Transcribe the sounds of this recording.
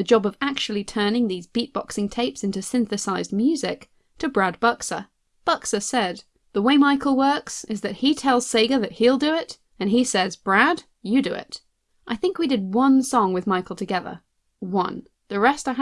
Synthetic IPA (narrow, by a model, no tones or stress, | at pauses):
ðɨd͡ʒɑbʌvæk̚t͡ʃʉl̩ˠitʰɜ̃˞nɪ̃ŋðizbit̚b̥ɑ̰ksɪ̃ŋtʰeɪpsɪ̃ntʉsɪ̃nθɨsaɪz̚mjʉzɪk | tʰɨbɹæd̚b̥ʌksə̰˞ | b̥ʌksə˞sɛd̪̚ | ðəweɪmaɪkl̩ˠwɜ˞ksɨzðɨt̚hitʰɛlˠz̥seɪɡɨðɨt̚hilˠdɨɪɾ | ɨ̃nisɛzb̥ɹæd̥ | jɨdɨɪ̰ɾ | ʔaɪθɪ̃ŋkwidɨd̚wʌ̃nsɔ̃ŋwɨðmaɪkl̩ˠtʰɨɡɛðə̰˞ | wʌ̰̃n | ðɨɹɛstaɪ